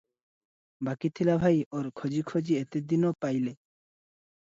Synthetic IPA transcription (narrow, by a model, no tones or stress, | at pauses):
bakit̪ʰilabʱajoɾkʰod͡ʑikʰod͡ʑiet̪ed̪inɔpajle